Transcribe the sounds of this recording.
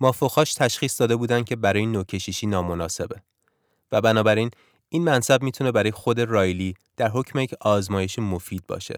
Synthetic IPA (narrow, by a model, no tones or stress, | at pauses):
mɒːfoxɒːʃt̪ʰæʃxiːsd̪ɒːd̪e̞buːd̪ænd̪cʲʰe̞bæɾɒːjenoːcʰe̞ʃiʃiːnɒːmo̞nɒːse̞be̞ | væbænɒːbæɾiːn | iːnmænsæbmiːt̪ʰune̞bæɾɒːjexo̞d̪e̞rɒːjliː | d̪̥æɾɦo̞cʰmejecʰɒːzmɒːje̞ʃimo̞fiːd̪̚bɒ̰ːʃḛ